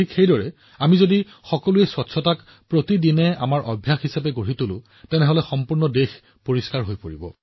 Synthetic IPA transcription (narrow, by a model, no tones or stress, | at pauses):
ikxejdɔɹɛ | amizodi | xɔkɔluɛswɔtsʰɔtak | pɹotidinɛamaɹʔɔbʱjaxɦisapɛɡoɹitʊlʊ̰̃ | tɛnɛɦɔlɛxɔmpuɹnɔdex | poɹiskaɹɦojpoɹibɔ̰